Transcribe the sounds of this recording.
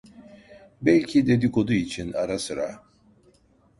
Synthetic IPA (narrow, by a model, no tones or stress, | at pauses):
bɛlʲcʰid̪e̞d̪ikʰo̞d̪uit͡ʃʰinaɾasɯɾa̰